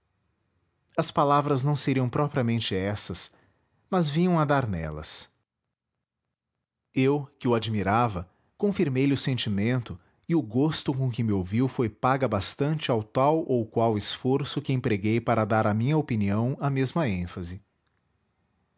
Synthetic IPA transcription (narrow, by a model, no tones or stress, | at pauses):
ɐspalavɾɐznɐ̃w̃seɾiɐ̃w̃pɾɔpɾiɐmẽnt͡ʃɪɛsɐs | mɐzvĩɲɐ̃w̃ad̪aɾnɛ̰lɐ̰s | ewkɪʊad͡ʒimiɾavɐ | kõfiɾmejlɪʊsẽnt͡ʃimẽnt̪ʊ | ɪʊɡost̪ʊkõk̬ɪmɪowviwfojpaɡɐbast̪ɐ̃nt͡ʃɪawt̪awʔowkwawɪsfoɾsʊkɪẽpɾeɡejpaɾɐd̪aɾɐmĩɲɐopiniɐ̃w̃ɐmezmɐẽfɐzɪ